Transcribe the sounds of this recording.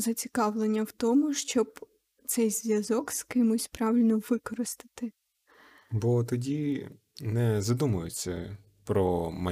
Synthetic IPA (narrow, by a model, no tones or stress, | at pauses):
zɐt͡sʲi̥kɑʋlˠenʲːɐwt̪ɔmʊʃt͡ʃɔb | t̪sɛjzʲʋʲjɐzɔkskɪmʊsʲpɾɑʋʲɪlʲnɔʋɪkɔɾɔst̪ɪ̥t̪ɪ | bɔt̪ɔdʲi | nɛzɐd̪umɐjʊt͡sʲːɐ | pɾɔmɐ